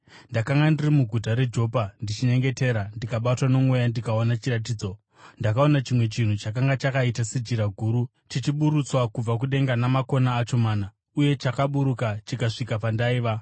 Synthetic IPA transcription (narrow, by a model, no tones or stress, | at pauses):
ndakaŋɡandirimuɡʱutaɾe̞d͡ʒo̞pandit͡ʃiɲe̞ŋɡe̞te̞ɾandikaɓatwano̞mwejandikaonat͡ʃirat̬iːd͡zo̞ | ndakao̞nat͡ʃimwe̞t͡ʃin̤ut͡ʃakaŋɡat͡ʃakaitased͡ʒiɾaɡʱuːɾu | tit͡ʃiɓuɾut͡swakub͡vak̬uɗe̞ŋɡanamako̞naːt͡ʃo̞maːna | uje̞t͡ʃakaɓuɾukat͡ʃikaʂikapandaiːʋa